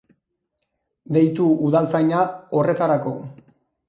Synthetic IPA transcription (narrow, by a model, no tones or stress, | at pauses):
d̪e̞jt̪uuðalt͡sajɲao̞re̞t̪aɾako̞